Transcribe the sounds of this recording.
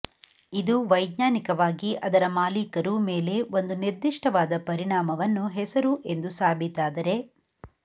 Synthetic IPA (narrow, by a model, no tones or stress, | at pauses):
id̪uʋɐjd̪ɲaːnikɐʋaːɡiʔɐd̪ɐɾɐmaːlikɐɾume̞ːle̞ʋo̞nd̪uniɾd̪iʂʈɐʋaːd̪ɐpɐɾiɳaːmɐʋɐnːuɦɛsɐɾuʔe̞nd̪usaːbʱit̪aːd̪ɐɾe̞